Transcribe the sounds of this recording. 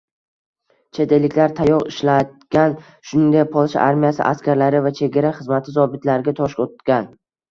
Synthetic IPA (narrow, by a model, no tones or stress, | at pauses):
t͡ʃʰe̞t̪elɪkʲlaɾt̪ʰajɒʁɪʃlad̪̚ɡʲan | ʃʊnɪŋd̪apʰɒlˠʃa̰ʔaɾmijasɪ̰ʔa̰skʲaɾlaɾɪvat͡ʃʰe̞ɡʲaɾaχɨzmat̪ʰɪzɒbɪt̪ʰlaɾɪɡʲat̪ʰɒʃkot̪ɡʲan